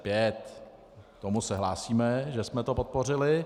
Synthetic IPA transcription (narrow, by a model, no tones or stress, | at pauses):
pjɛt̪ | t̪omusɛɦlaːsiːmɛʒɛsmɛt̪o̞pot̪̚po̞r̝ɪlɪ